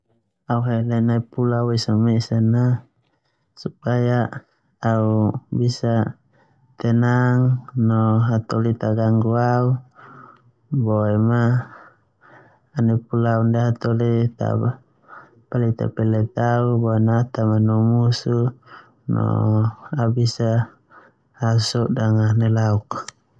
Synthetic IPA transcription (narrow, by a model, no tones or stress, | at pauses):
auɦelɛnaipulawisomesana | supaja | aubisa | t̪ɛnaŋnɔɦat̪olit̪aɡaŋɡuau | boɛma | nɛpulaundaɦat̪ɔlit̪a̰a | palit̪a̰pɛlɛt̪aubɔɛnat̪amanɔmusu | nɔ̰aubisa | usɔʔdaŋanɛlauk